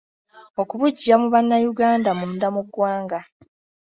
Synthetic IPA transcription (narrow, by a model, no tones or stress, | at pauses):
o̞kuβuɟːamuβanːajuɡaːndamun̩damuɡwaːŋɡa